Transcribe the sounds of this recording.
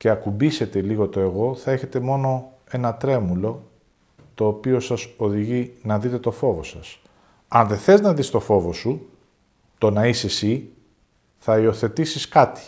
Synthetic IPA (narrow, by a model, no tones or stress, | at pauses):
ce̞ɐkubise̞t̪e̞liɣo̞t̪o̞e̞ɣo̞θɐe̞çe̞t̪e̞mo̞no̞ | e̞nɐt̪ɾe̞mulo̞ | t̪o̞ːpio̞sɐso̞ðiʝinɐðit̪e̞t̪o̞fo̞vo̞sɐs | ɐnðe̞θe̞znɐðist̪o̞fo̞vo̞su | t̪o̞nɐisesi | θɐio̞θe̞t̪isiskɐt̪i̥